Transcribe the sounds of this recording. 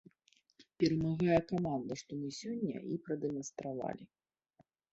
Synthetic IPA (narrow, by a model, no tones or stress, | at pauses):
pʲɛɾɐmaɣajɐkamand̪ɐʂt̪ɔmɨsʲɔnʲːɐ̰ipɾɐd̪ɛmɐnst̪ɾava̰lʲi